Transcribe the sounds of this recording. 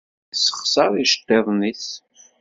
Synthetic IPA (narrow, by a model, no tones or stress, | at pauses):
sə̥χsɑɾˤiʃə̥t̪ˤːeðˤniθ